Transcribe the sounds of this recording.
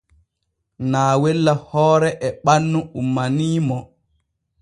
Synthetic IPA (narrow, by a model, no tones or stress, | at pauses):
naːwɛlːahɔːɾɛʔɛɓanːuumːaniːmɔ